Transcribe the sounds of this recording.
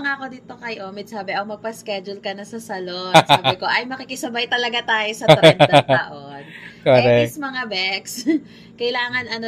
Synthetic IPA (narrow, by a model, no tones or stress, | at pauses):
ɐŋaːko̞d̪it̪o̞kɐjʔoːmɪd̪̚saːbɛʔɐkmɐɡ̚pɐskɛd͡ʒʊlkɐnɐsɐsɐlosakːoʔɐjmɐkikɪsɐbajt̪ɐlɐɡat̪aːjosɐt̪ɐɾɐnd̪ʔonkoɾɛsmɐŋabɛks | kɐjlaːŋɐnɐno